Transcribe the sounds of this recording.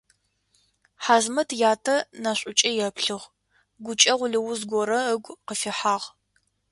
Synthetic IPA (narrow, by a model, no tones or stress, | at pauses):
ħaːzmɐtʰjaːtʰɐnaɕʷʼʊt͡ʃʼɐjɛpʰɬɨʁ | ɡʷʊt͡ʃʼɐʁʷʊɮɨwʊzɡʷɔɾɐəɡʷqəfɪħaːʁ